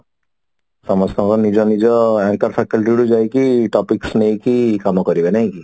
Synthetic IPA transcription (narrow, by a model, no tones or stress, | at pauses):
sɔmɔst̪ɔ̃kɔnid͡ʒɔnid͡ʒɔɛŋkəɾpʰɛkəlʈ̬iɽud͡ʒaekiʈɔpiksneɦĩkikamɔkɔɾibenaɦĩki